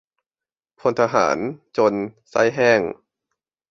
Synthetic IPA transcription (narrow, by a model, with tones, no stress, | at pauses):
pʰo˧nt̪ʰa˧ɦa̰ː˩˦nt͡ɕo˧nsa̰˦˥˨jɦɛː˥˩ŋ